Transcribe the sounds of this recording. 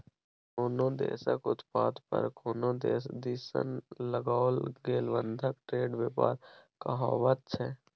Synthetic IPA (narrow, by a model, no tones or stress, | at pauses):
koːnõd̪ḛːsə̰kʊt̪paːd̪pə̰ɾkoːnõːd̪eːsd̪iːsə̰nləɡaːlɡeːlʋə̃nd̪ʱəkʈɾeːɖʋɪpaːɾkəɦaːʋət̪̚t͡ʃʰɛː